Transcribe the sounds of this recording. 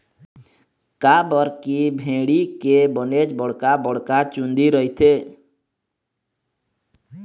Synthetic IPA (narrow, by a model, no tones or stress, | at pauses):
kabəɾkibʱẽɽikebənet͡ʃbəɽ̤kabəɽ̤kat͡ʃund̪iɾəɦit̪ʰe